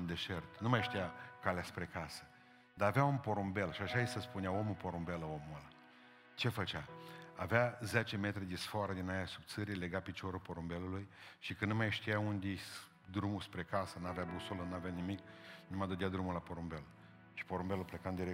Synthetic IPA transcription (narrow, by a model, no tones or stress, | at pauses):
nd̪e̞ʃert̪numajʃt̪ijakaleaspɾekasə̥ | d̪aːveaunpo̞ɾombe̞lʃiaʃajesəspuneaomupo̞ɾombe̞ləomulə | t͡ʃe̞fət͡ʃaaveazet͡ʃe̞me̞t̪ɾed̪esfoaɾəd̪inajasub̚t̪sɨɾijle̞ɡapit͡ʃoɾupo̞ɾumbe̞lulujʃikɨnnumajʃt̪ijaund̪ʲeej | d̪ɾumuspɾe̞kasənuaveabusulənuaveanimiknumad̪əd̪ead̪ɾumulapoɾumbe̞l | ʃi̥po̞ɾombeluplekand̪iɾe